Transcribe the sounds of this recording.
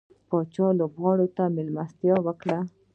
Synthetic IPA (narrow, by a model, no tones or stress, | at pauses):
pɑt͡ʃɑlobɣɑɽot̪amɪlmast̪jɑwəkɽa